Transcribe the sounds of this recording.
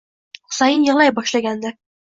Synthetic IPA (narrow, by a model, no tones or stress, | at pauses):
χʊ̥sɑjɤnjɑlˠɑjbɒʃlˠɑɡʲænd̪æ